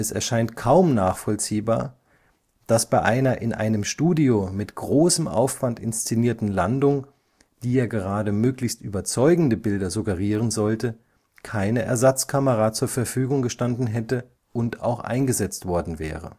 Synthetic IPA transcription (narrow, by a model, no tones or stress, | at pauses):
ɛsɛɐʃaɪntkʰaʊmnaːχfɔlt͡siːbaːɐ | d̥asb̥aɪʔaɪnɐʔɪnʔa̰ɪnəmʃtuːdiomɪtɡ̥ʁoːsəmʔa̰ʊfv̥antɪ̰nst͡seniːɐtn̩landʊŋ | d̥iːeːɐɡəʁ̞aːdəmøːklɪçstʔyːbɐt͡sɔʏɡŋ̩dəbɪldɐzuɡəʁiːʁ̞ənzɔltə | kʰaɪnəʔɛɐzat͡skʰaməʁat͡suːɐfɛɐfyːɡʊŋɡəʃtandn̩ɦɛtə | ʔʊnta̰ʊxʔa̰ɪnɡəzɛt͡stv̥ɔɐdn̩vɛ̰ːʁə̰